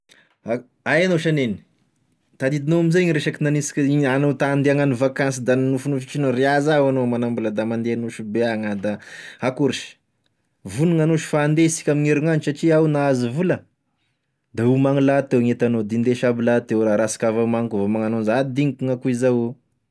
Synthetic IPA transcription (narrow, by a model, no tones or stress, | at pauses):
a | ajanoʃaneni̥ | t̪ad̪id̪inoamizeɲɾeʃakinanisi̥kʲianot̪aːnd̪eaŋanivakans̬id̪annufunufit͡ʃinoreazawanomanambulad̪amand̪eanuʃibeaŋad̪ahakuɾiʃi̥ | vuniŋanoʃi̥faːnd̪esi̥kʲamiŋeɾuŋansaʈ͡ʂiawnaazivulə | d̪aumaŋilat̪ewŋet̪anod̪ind̪eʃabilat̪ewɾaɾasi̥kavamaŋkuvamaŋanonzad̪iŋikuŋakuizaw